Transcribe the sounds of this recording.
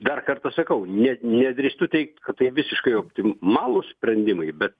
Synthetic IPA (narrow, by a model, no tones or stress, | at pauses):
d̪ɐrkɐrt̪ɐsɐkɐʊnʲɛnʲɛd̪ʲɾʲɪst̪ʊt̪ʲɛɪk̚t̪kɐt̪t̪ɐɪʋʲɪsʲɪʃkɐɪoːpʲt̪ʲɪmɑːlˠusʲpʲɾʲɛnʲd̪ʲɪmɐɪbʲɛt̪̚